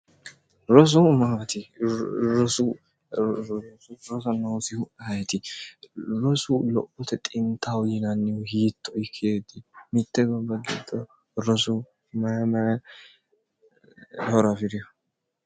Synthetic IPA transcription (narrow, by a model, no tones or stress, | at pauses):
ɾɔs̬ʊmat̪ɪ | ɾɔsʊ | ɾɔsɐnoːfɪʊʔhɐjɛt̪ɪ | ɾɔsʊlɔ̰pːɔt̪ɛt̪ʼɪnt̪ʰːawjɪnɐnːɪʊhiːt̪ːɔɪkʰːeːd̪ɪmɪt̪ːɛɡɐbɐɡɪ̰d̪ɔ | ɾɔsʊ | mmɐ | hɔɾɐfɪɾɪjɔ